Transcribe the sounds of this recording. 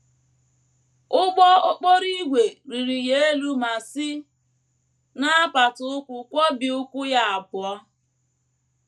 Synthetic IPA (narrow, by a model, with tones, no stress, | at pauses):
ʊ˦ɡ͡bɔ˦ʊ˦k͡po˦ɾi˦ɡʷe˨ɾi˨ɾi˨je˦e˦lu˦ma˨si˦ | na˦a˦pa˨tʊ˨ʊ˦kʷʊ˨kʷɔ˦bi˨ʊ˦kʷʊ˦ja˦a˨bʊ˨ɔ˦